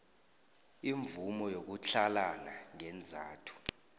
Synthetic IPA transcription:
iɱvumɔjok̬uɬalanaŋɛnd͡zʱaːtʰu̥

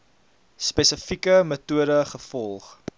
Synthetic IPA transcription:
spɛsəfikəmətuəɾəχəfɔlˠχ

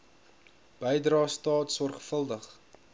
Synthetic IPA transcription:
b̥əjdrɑːstɑːtsɔrχfəlˠdəχ

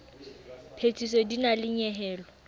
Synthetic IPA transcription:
pʰet͡sʼisɔdinalɪɲɛɦɛːlɔ

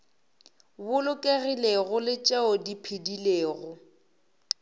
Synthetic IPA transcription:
bʊlʊkʼeɣileɣʊlɪt͡ʃʼeʊdipʰɪdileːɣʊ

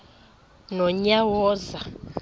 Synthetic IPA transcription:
nɔɲawɔːza

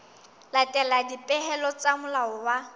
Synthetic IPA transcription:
latʼɛladipʼɛɦɛlɔt͡sʼamʊlaɔwa

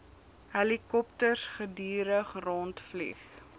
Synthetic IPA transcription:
ɦɛlikɔptərsχədiːɾəχrɔntflḭχ

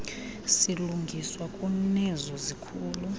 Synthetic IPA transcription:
siluŋɡʱiswakʼunɛzɔzikʰuːlu

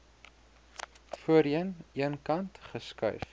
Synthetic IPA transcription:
fuəɾiəniənkɐntχəskœ̰ɥf

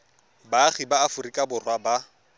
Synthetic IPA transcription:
baχibaːfʊrikʼabʊrwaba

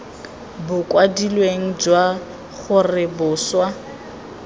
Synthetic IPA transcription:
bʊkʼwadilweŋ̩d͡ʒwa | χʊrɪbʊːswa

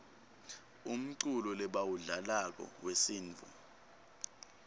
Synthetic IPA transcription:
um̩ǀulɔlɛɓawuɮalak̬ɔ̰wesiːnt͡fṵ

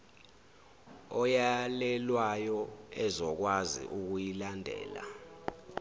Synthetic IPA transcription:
ɔjalɛlwajɔɛzɔk̬wazḭʔuk̬ujilandʱɛ̰ːla̰

